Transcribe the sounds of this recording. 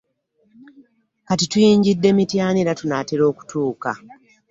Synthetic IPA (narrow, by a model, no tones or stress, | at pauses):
katitujiːɲɟidːe̞mitjaːniɾatunaːteɾo̞ːku̥tuːka̰